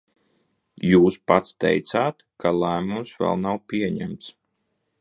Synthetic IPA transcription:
juːspat̪st̪ɛ̰jt̪saːt̪kalæːmumsvɛ̰lˠnawpʲiɛɲæmt̪s

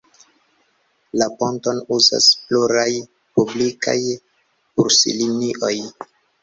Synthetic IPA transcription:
laponto̞nuza̰spluɾaj | publika̰j | puɾsḭliniʔo̞j

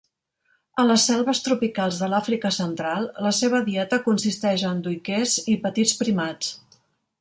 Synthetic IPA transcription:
ənləsːɛlˠβəst̪ɾupikalˠzðəlafɾikəsənt̪ɾalˠləseβ̞əðiɛt̪əkunsist̪ɛʒənd̪ujkezipət̪it͡spɾimat͡s

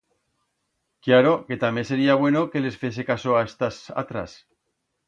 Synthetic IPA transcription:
kjaɾoke̞t̪amjense̞ɾiaβ̞we̞noke̞le̞sfje̞s̬ekasoaest̪asa̰t̪ɾa̰s

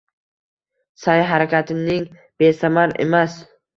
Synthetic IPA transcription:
sajɦaɾakʲʰat̪ʰɪnɪŋ | b̥e̞samaɾe̞̰mas

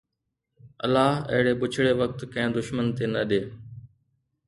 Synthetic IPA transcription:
ə̰lːaːɦɐ̰ɦɪɽeːɓʊt͡ʃʰɽeːʋək̚t̪kɐ̃ɦẽːd̪ʊʃmənt̪eːnəɗeː

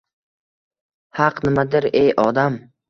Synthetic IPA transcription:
hɑqnɪmad̪ɪɾejʔɒd̪am

